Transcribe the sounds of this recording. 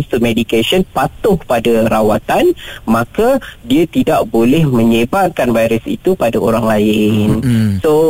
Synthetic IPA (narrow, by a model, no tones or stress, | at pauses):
st̪umedikasənpat̪ʊhpadaɾawat̪anmãkadiat̪idaʔbolɛhmə̃ɲebat̪̚kanvajɾəsḭt̪upadaoɾaŋlaɪnso